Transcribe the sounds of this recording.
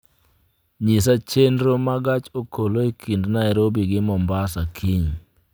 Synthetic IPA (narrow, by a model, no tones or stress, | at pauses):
ɲis̬at͡ʃendɾomaɡat͡ʃokʰoloikʰindnaɛɾobiɡɪmɔmbasakʰiɲ